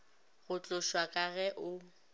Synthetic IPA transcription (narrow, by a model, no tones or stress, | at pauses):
ɣʊt͡ɬʼʊʃwakʼaɣɛʔʊ